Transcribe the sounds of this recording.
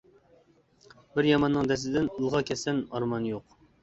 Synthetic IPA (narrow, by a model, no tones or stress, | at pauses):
bɪɾjɑmɑnːɨŋd̪ɛs̬ɪd̪ɪnulˠʁɑkʲʰɛsɛnɑɾmɑnjoq